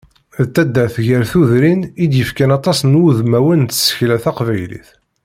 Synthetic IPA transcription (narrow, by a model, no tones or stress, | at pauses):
ðt̪ːæd̪ːəθʝəɾθuðɾinid̪jəfkænɑt̪ˤɑsnuðmæwənt̪sə̥çlæθæqvæjlḭθ